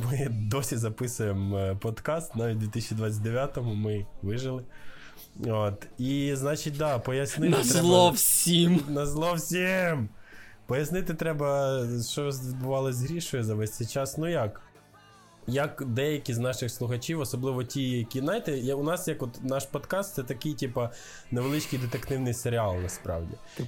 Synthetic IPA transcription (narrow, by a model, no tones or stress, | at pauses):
mɪd̪ɔsʲizɐpɪsʊjempɔd̪kɑst̪nɑʋʲit̚ʲd̪ʲit̪ɪsʲt͡ʃʲid̪ʋɑt͡sʲːɐt̚ʲd̪eʋʲjat̪ɔmʊmɪʋɪʒɪlˠɪ | oːt̪iznɑt͡ʃit̚ʲd̪ɑpɔjɐsnɪnt̪t̪ɾɛlˠɔwsʲimnɐzlˠɔwsʲim | pɔjɐsnɪt̪ɪt̪ɾɛbɐʃt͡ʃɔzbʊʋɑlˠɔzʲɦɾʲiʃɔjʊzɐʋɛsʲt̪t͡s̪ʲɛjt͡ʃɑsnujɐk | jɐkd̪ɛjɐkʲiznɑʃɪxslˠʊxɐt͡ʃiwɔsɔblˠɪʋɔtʲijɐkʲiznajt̪ɛjɐʊnɑsjɐkɔt̪nɑʃpɔd̪kɑst̪sɛt̪ɐkɪjtʲipɐ | neʋelˠɪt͡ʃkɪjd̪et̪ekt̪ɪwnɪjseɾʲɪɑlˠnɐspɾɑ̰wdʲḭ